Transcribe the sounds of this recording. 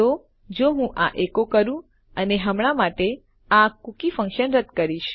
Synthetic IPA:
o | d͡ʒoɦũʔaʔekokəɾũ | əneɦəmɽ̃amaʈe | akukifə̃ŋkʃənɾəd̪ʱkəɾiʃ

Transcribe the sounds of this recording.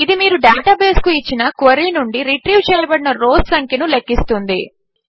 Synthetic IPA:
id̪imiːɾuɖaːʈaːbe̞ːskuit͡ʃːinɐkʋɐɾiːnuɳɖiɾiʈɾiwt͡ʃɛːjɐbɐɽinɐɾoːd̪sɐŋkinulekːist̪und̪i

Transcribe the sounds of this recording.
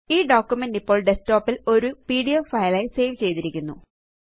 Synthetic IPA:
iːɖoːkʲːjumendipːoːɭɖe̞sto̞ːpːilo̞ɾupiːɽijoːfɐjlɐjse̞jʋt͡ɕe̞jt̪iɾikʲːunːṵ

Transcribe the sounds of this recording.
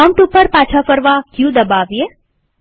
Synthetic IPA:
əmʈupəɾpat͡ʃʰafəɾʋakjũd̪əbaʋje

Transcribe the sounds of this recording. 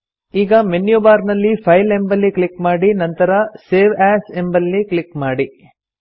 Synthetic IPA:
iːɡɐmenjobaːɾnɐlːipʰɐjlembɐlːikɭikmaːɽinɐnt̪ɐɾɐseːʋæːse̞mbɐlːikɭikmaːɽi

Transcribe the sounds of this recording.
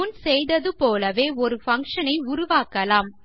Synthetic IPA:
nsɛjðɐðɯpoːlɐʋeːɔɾɯfɐŋkʂɐnɐɪʊɾʊʋaːkɐlaːm

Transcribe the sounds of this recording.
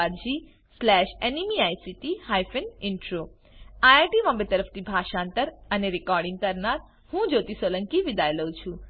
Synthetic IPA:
aɾd͡ʒi | slɛʃenimiajsiʈihajfənɪɳʈɾo | ajaʈimə̃mbet̪əɾəft̪ibʱaʃaːnt̪əɾəneɾɪkɔɾɖĩŋɡ̚kəɾnaɾ | hũd͡ʒot̪isolə̃ŋkiʋɪd̪ajləũt͡ʃʰũ

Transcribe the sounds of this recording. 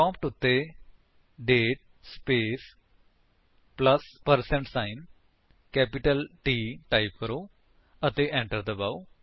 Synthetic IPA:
kɔ̃ːmp̚ʈʊt̪ːe | ɖeːʈ̚ | speːs | pləspəɾsẽɳʈsaɪn | kɛːpɪʈəlʈiːʈaɪp̚kəɾo | ət̪eʔɛ̃ɳʈəɾd̪əbau

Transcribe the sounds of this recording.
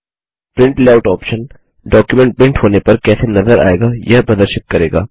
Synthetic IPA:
pɾɪ̃ɳʈlaːʊʈɔːpʃən | ɖɔːkjumɛ̃ɳʈ̚bɪ̃ɳʈɦoːnepɐɾkɛːsenɐzəɾa̰ːḛːɡajɐɦbɐd̪əɾʃət̪̚kɐɾeːɡa̰ː

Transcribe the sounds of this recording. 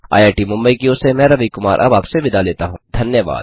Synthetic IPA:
a̰ːjaːʈimʊ̃mbəikiʊsemɛ̃ːɾɐʋikʊma̰ːɾʔɐ̰baːpseʋɪd̪aleːt̪aɦũːd̪ʱɐnjəʋa̰ːd̪

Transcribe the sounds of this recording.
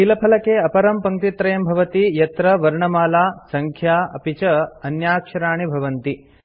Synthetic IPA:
ʃilɐpʰɐlɐkeːɐpɐɾɐmpɐŋt̪it̪ɾɐjɐmbʱɐʋɐt̪ijɐt̪ɾɐʋɐɾɳɐmaːlaːsɐŋkʰjaːɐ̰pit͡ʃɐɐnjaːkʂɐɾaːɳibʱɐʋɐnt̪i

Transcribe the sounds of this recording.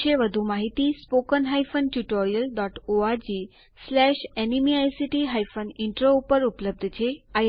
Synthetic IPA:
eʋəd̪ʱumaɦit̪iːspokənɦajfənʈuʈoɾijəlɖɔʈoaɾd͡ʑi | slɛɕɛnimiajsiʈiɦajfəniɳʈɾoupəɾupləb̚d̪ʱət͡ɕeaj

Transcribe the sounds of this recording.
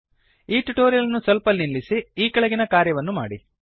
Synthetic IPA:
iːʈuʈoːɾijɐlɐnːusɐlpɐlniɭːisiiːkɐɭɐɡinɐkaːɾjɐʋɐnːuma̰ːɽḭ

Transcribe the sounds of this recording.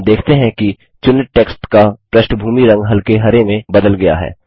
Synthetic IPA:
d̪eːkʰt̪eɦɛ̃ki | t͡ʃʊnɪʈʈeːksʈkapɾɐʃʈəbʱuːmiɾɐ̃ŋɡɦɐlkeɦɐɾemẽbɐd̪əlɡɐja̰ɦɛ̰ː

